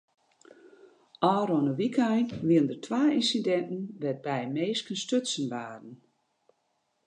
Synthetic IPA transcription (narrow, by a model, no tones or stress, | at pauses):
ʔɔːɾɔnəʋikʰajnʋiəndərtʰʋaːinsidɛntn̩ʋɛt̚bɛjmeːskənstøtsənʋaːdən̩